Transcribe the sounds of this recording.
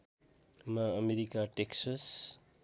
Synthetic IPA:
mʌʌmeɾikaʈeksʌs

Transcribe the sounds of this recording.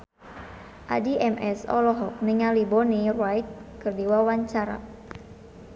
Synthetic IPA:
ʔa̰diʔɛmʔɛsɔ̰lɔɦɔk̚niŋalibɔnirajt̪̚kərdiwawaɲt͡ʃaɾa̰

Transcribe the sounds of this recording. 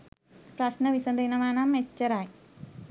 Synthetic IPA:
pɾɐsnɐʋisɐnd̪ʱɐnɐmaːnaːmet͡ʃːɐɾaːj

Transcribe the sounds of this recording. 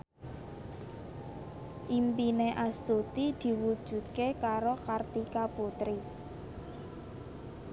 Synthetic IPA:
ʔimpineʔast̪ut̪id̪̥i̤wud̥ʒ̥ṳt̪̚kekaɾokart̪ikaput̪ɾi

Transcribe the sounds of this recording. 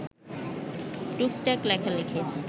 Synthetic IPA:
ʈuk̚ʈɛklɛkʰalekʰed͡ʑ

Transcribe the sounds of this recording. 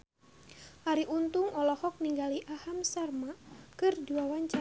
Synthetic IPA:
ʔaɾiʔunt̪uŋɔlɔhɔk̚niŋɡaliʔahamsarmakɨrduwawaɲt͡ʃa

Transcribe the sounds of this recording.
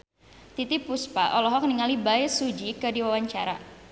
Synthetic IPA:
t̪it̪ipuspa̰ʔɔlɔɦɔk̚niŋalibajsud͡ʒikədiwawaɲt͡ʃaɾa

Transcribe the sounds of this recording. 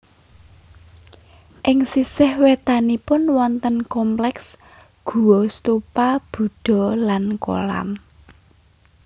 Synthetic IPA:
ʔɪŋsisɪhwet̪anipʊnwɔnt̪ənkɔmplɛks | ɡ̥ṳwɔst̪upab̥ṳɖ̥ɔ̤lanko̰la̰m

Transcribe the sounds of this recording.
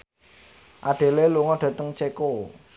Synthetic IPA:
ʔaɖ̥e̤leluŋɔɖ̥ä̤t̪əŋt͡ʃeko

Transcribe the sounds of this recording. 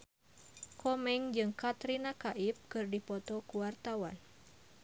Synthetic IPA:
kɔmɛŋd͡ʒɨŋkat̪ɾinakaʔip̚kɨrdipɔt̪ɔkuwart̪awan

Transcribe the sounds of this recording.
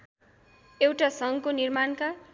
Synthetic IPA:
ewʈasʌŋkonirmanka

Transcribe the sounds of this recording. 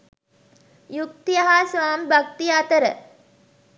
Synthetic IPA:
juk̚t̪ijaɦasʋaːmbak̚t̪ijat̪əɾə

